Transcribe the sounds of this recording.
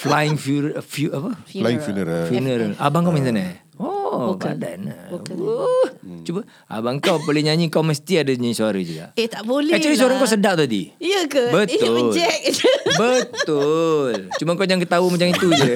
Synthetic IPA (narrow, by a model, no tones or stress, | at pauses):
flaɪŋfufjuapəlaɪŋfjunəɾfjunəɾalʔa̰baŋkawmint̪ana̰ | ɔkada̰na̰ | t͡ʃuba | a̰baŋkawpəlɪhɲaɲikawməst̪iadaɲaɲisoaɾəd͡ʒuɡa̰ʔet̪abolat͡ʃaɾis̬oaɾaŋkawsədaʔ̚t̪adḭjəkəbət̪ʊd͡ʒɛk̚bət̪ʊlt͡ʃumaŋkawd͡ʒaŋkət̪aumat͡ʃamit̪ud͡ʒa